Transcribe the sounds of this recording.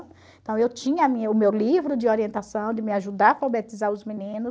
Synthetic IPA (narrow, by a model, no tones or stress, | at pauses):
ẽt̪ɐ̃w̃ewt͡ʃĩɲɐːmĩɲɐʊmewlivɾʊd͡ʒɪoɾiẽnt̪asɐ̃w̃d̪ɪmɪaʒud̪afobet̪izaɾʊzminĩnʊs